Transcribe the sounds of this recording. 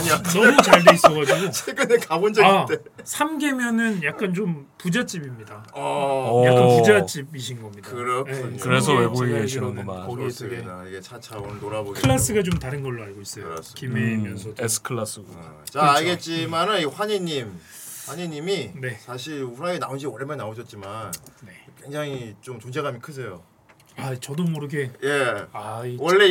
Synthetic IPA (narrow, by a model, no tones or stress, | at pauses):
aɲianʌmut͡ɕaɭdeis͈ʌɡad͡ʑiɡoeɡɯnɯkabond͡ʑʌɡait͈e | sʰamɡe̞mjʌnɯnjak̚k͈ant͡ɕompud͡ʑat͡ɕ͈ibimɲida | jakk͈anpud͡ʑat͡ɕ͈ibiɕ̬ʰinɡʌmɲidaɯɾoekɯɾe̞s̬ʰʌweboɡiɡeɕʰinɯnɡʌmaoɡiteɡeiɡet͡ɕʰat͡ɕʰaontoɾabokʰɯɭːas͈ɯɡat͡ɕomtaɾɯnɡʌɭːoaɭɡois͈ʌjkimemjʌʌes͈ʰɯ̥kʰɯɭːas͈ɯɡt͡ɕaːɭɡe̞t̚t͡ɕ͈imanɯniɸwaɲiɲːim | ɸwaɲiɲːimine̞sʰaɕʰiɭɸuɾaenaund͡ʑiwʌɭemjʌnaoɕʰʌt̚t͡ɕ͈imanne̞kwe̞ŋd͡ʑaŋit͡ɕomt͡ɕond͡ʑeɡamikʰɯs̬ʰe̞jo | at͡ɕʌdomʌɾɯɡe̞jeaiwʌɭːe